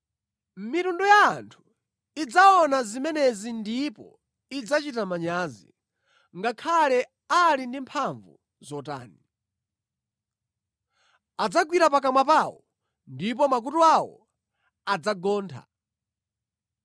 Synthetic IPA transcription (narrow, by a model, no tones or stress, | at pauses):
mitundɔjaːntʰu̥ | id͡zaɔnazimɛnɛzindipɔ | id͡zat͡ʃitamaɲaːzḭ | ŋɡakʰalɛ | alindimpʰaɱvu | zɔta̰ːni | ad͡zaɡwiɾapak̬amwap̬awɔ | ndip̬ɔmak̬utuawɔ̰ | ad͡zaɡɔːntʰa̰